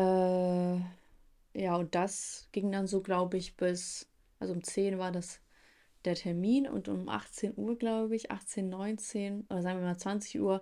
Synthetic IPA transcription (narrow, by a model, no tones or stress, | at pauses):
ʔɛː | jaːʊnt̚d̥asɡ̥ɪŋdanzoːɡlaʊbəɪçb̥ɪs | ʔalzoʊmt͡seːnvaːɐdas | d̥eːɐtʰɛɐmiːnʊ̰ntʔʊ̰mʔa̰χt͡seːnʔuːɐɡlaʊbəɪçʔa̰χt͡seːnːɔʏnt͡seːnʔoːdɐzaːɡŋviɐmaːlt͡sv̥ant͡sɪçʔuːɐ